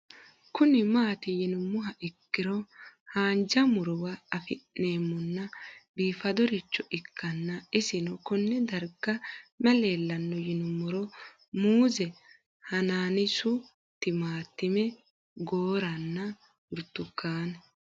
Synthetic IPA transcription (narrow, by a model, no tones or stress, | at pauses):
kʊnɪmaːt̪ɪjɪnʊmʊɦɐʔɪkːɪɾɔhaːnd͡ʒɐmʊɾɔwɐɐfɪeːmːʊnːɐbiːfɐd̪ɔɾɪt͡ʃːɔʔɪkːɐnːɐɪsɪnɔkɔnːɛd̪ɐɾɡɐmɛleːlːɐnːɔjɪnʊmʊɾɔ | muːzɛ | hɐnaːnɪsʊ | t̪ːɪmaːt̪ːɪmɛ | ɡoːɾɐnːɐ | ʊɾt̪ːʊkːaːn